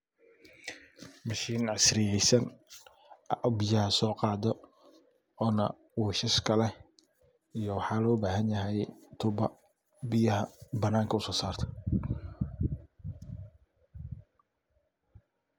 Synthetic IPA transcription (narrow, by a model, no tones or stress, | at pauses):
mɐʃiːnʕɑsrɪjɛjsɐn | bɪjɐhɐsɔːqɑːd̪ɔ | ɔːnɐ̰ | wuːʃɐʃkʰɐlɛ | ijɔwɑħɑːlɔːbaːɦɐnjɐɦɛjt̪ʰʊbɐ | bɪjɐɦɐbɐnaːŋkʰɐʊsɔːsaːrt̪ʰɐ̥